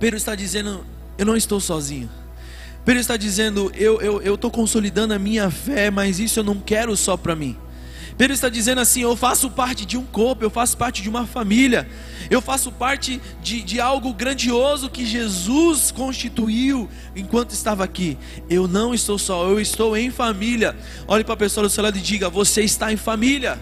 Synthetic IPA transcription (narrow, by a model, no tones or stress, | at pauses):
ped̪ɾʊɪst̪ad͡ʒizẽnd̪ʊ | ewnɐ̃w̃ɪst̪owsɔzĩɲʊ | ped̪ɾʊist̪ad͡ʒizẽnd̪ʊʔewʔewewt̪owkõsolid̪ɐ̃nd̪ʊɐmĩɲɐfɛmɐzisʊewnɐ̃w̃kɛɾʊsɔpɾɐmĩ | ped̪ɾʊist̪ad͡ʒizẽnd̪ʊasĩewfasʊpaɾt͡ʃɪd͡ʒɪũkoɾpʊewfasʊ̥paɾt͡ʃɪd͡ʒɪũmɐfamilɐ | ewfasʊpaɾt͡ʃɪ | d͡ʒɪd͡ʒɪawɡʊɡɾɐ̃d͡ʒiozʊkɪʒezuskõst͡ʃit̪uiw | ẽkwɐ̃nt̪ʊɪst̪avɐaki | ewnɐ̃w̃ɪst̪owsɔewɪst̪owẽj̃familjɐ | ɔʎɐpɾɐpesoaɐd̪ʊselad̪ʊɪd͡ʒiɡɐvoseɪst̪aẽj̃familiɐ